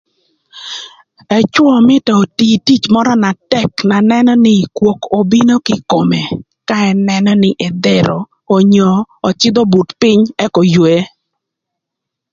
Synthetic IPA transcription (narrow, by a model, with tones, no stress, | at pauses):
ɛ˨t͡ʃwɔ˦˨mɪ˦tɔ˨o˨ti˨ti˦t͡ʃmɔ˦ɾɔ˦na˨tɛ˦kna˨nɛ˦nɔ˦nɪ˦˨kwo˨ko˨bi˦no˦kɪ˦ko˨me˨ | ka˦ɛ˨˦nɛ˦nɔ˦nɪ˦ʔɛ˨d̪ɛ˦ɾɔː˨ | ɲɔ˨ɔ˨t͡ʃɪ˦d̪ɔ˦bu˨tpɪ˦ɲɛ˦kɔ˨jwe˦˨˦